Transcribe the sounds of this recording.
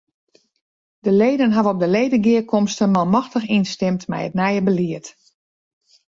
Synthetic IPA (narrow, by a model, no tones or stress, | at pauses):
dəlejdənɦavəɔp̚dəlejdəɡɪəkʰɔmstənmalˠmɔxtəxinstɪmtmɛ̰jətnɛjəbəliət